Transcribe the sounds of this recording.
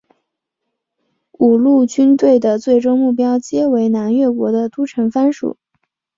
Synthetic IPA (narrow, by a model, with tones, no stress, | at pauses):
u˨˩lu˥˩t͡ɕy˥nt̪we˥˩ɪd̪ə˩t͡swe˥˩ɪʈ͡ʂo˥ʊmu˥˩p̬jɑ˥ʊt͡ɕjɛ˥we˧˥ɪna˧˥nɥɛ˥˩kwɔ˧˥d̪ə˧t̪u˥ʈ͡ʂʰɤ˧˥ŋfa˥nʂṵ˨˩˦